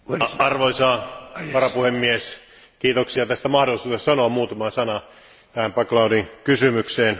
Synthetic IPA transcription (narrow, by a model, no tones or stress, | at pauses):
ɑrʋoisɑːʋɑɾɑpuhemːies | kiːt̪oksiɑt̪æst̪æmɑhdolisuːtessɑnoɑmuːt̪ɑmɑsɑnɑ | t̪æhæmpɑklɑudiŋkysymykseːn